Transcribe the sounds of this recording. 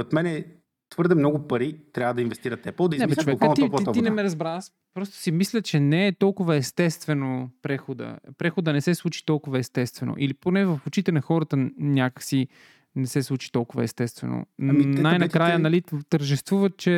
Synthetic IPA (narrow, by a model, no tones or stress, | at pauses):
ɾɛt̪mɛnɛ | t̪vɤɾd̪ɛmnɔɡʊpɐɾit̪ɾʲjavəd̪ɐinvɛst̪iɾət̪ɛpəlˠd̪ɐiznɛbɛt͡ʃvɛk̪t̪ip̪inɛmɛɾɐzbɾas | pɾɔst̪o̥simislʲət͡ʃɛnɛːt̪ɔlˠkʊvəɛst̪ɛst̪vɛnopɾɛxod̪ə̰pɾɛxod̪ənɛsɛslˠut͡ʃi̥t̪ɔlˠkʊvəɛst̪ɛst̪vɛno̰ʔiliponɛvɐfot͡ʃit̪ɛnɐxɔɾət̪ənʲjakəksi | nɛsɛslˠut͡ʃi̥t̪ɔlˠkʊvə̰ɛst̪ɛst̪vɛ̰no̰najnɐkɾajənɐlit̪əɾʒɛst̪vuvət̪̚t͡ʃɛ